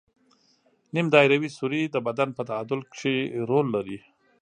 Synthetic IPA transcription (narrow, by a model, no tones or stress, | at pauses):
nimd̪ɑjɾawisuɾid̪əbad̪anpət̪aad̪ʊlkʂeɾolːaɾi